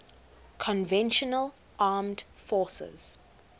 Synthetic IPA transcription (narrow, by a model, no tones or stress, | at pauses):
kʰɔ̃nvɛ̃nʃənəl | ʔaːmdfɔːsɛ̰z̥